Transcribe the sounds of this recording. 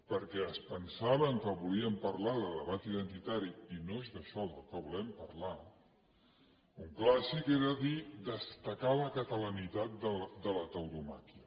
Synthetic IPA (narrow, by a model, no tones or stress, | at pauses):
pəɾkɛəspənsaβəŋkəβuliəmpəɾlaðəðəβat̪iðənt̪it̪aɾiinoezðəʃɔðəlˠkəβulɛmpəɾla | uŋklasikeɾəðid̪əst̪əkaləkət̪ələnit̪at̪̚d̪əd̪ələt̪əwðuma̰kiə